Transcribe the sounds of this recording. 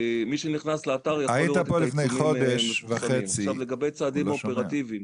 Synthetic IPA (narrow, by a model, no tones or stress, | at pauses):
miʃeniχnasleat̪aʁjaait̪apolifnejχo̞d̪eʃvaχet͡siavleɡabejt͡saːd̪immopeʁat̪ivim